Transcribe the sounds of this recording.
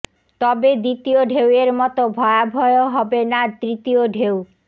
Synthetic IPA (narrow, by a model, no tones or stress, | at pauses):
t̪ɔbed̪it̪ioɖʱeweɾmɔt̪obʱɔeabʱɔeoɦɔbenad̪ɾit̪ioɖʱew